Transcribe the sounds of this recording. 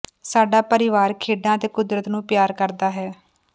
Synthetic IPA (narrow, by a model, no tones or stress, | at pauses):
saːɖaːpəɾɪʋaːɾkʰeːɖãːət̪eːkʊd̪ɾət̪nũːpjaːɾkəɾd̪aːɦɛː